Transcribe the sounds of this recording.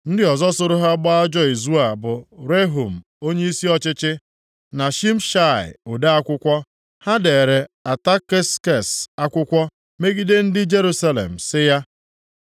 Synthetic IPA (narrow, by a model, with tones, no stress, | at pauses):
n̩˦dɪ˦ɔ˨zɔ˦sʊ˦ɾʊ˦ɦa˦ɡ͡ba˦a˦d͡ʒɔ˦i˨zu˦a˨bʊ˨ɾe˦ɦu˨m̩˨ | o˦ɲe˦i˦si˦ɔ˦t͡ʃɪ˦t͡ʃɪ˦ | na˨ʃi˦m̩˦ʃa˦˨ɪ̰˨ʊ˨da˦a˦kʷʊ˦kʷɔ˦ | ha˦de˨ɾe˨a˨ta˦ke˦ske˨sa˦kʷʊ˦kʷɔ˦ | me˦ɡi˦de˦n̩˦dɪ˦d͡ʒe˦ɾu˦sa˦lḛ˨m̩˨sɪ˦ja˦